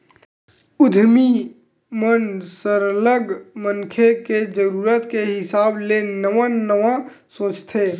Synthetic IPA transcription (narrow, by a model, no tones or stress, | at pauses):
ʊd̪ʱmi | mənsəɾələɡməŋkʰeked͡ʒəɾuːɾət̪keɦɪsaːblenəʋãnəʋã | sõːt͡ʃt̪ʰeː